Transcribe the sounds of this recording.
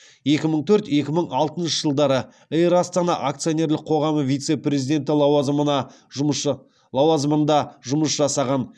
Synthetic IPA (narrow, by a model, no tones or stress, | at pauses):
je̞kʲɪməɴt̪ʰɵɾt̪je̞kʲɪməɴɑlˠt̪ənʃəʒəlˠd̪ɑɾə | ejɾast̪anɑʔak̚t̪sio̞ne̞ɾlɪqʰo̞ʁɑməvʲijt̪se̞prʲe̞zijd̪e̞nt̪ɪlˠɑwɑzmənɑ | lˠɑwɑzmənd̪ɑʒʊməsʒɑsɑʁɑn